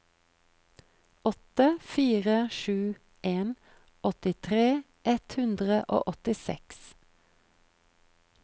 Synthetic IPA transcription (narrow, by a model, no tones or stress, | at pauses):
ʔɔt̪əfiːʁəʃʉː | ʔeːn | ɔt̪ɪt̪ʰʁeː | ʔɛt̪hʉnd̪ʁəʔo̰ːʔɔt̪ɪsɛ̰ks